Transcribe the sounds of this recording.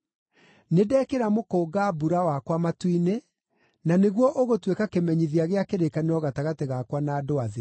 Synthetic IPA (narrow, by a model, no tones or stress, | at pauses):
nedɛːkeɾamokoːɡabuɾawakwamatwine | naneɣwɔʔoɣotwekakemɛɲiðjaɣeakeɾekaneɔɣataɣateɣakwanaːdoaðe